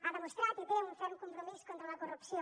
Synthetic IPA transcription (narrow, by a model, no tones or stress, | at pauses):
aðemost̪ɾaɾkepeɐũnfɛɾukõmpɾomiskõnt̪ɾɐalɐkorupsjõ